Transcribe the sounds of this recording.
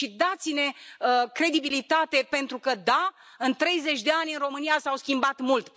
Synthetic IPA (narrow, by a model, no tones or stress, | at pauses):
ʃid̪at̪sine̞əkɾe̞d̪ibilit̪at̪e̞pe̞nt̪ɾukəd̪a | ɨnt̪ɾe̞jze̞t͡ʃʲd̪e̞anʲɨnro̞mɨnijasawskʲimbat̪mult̪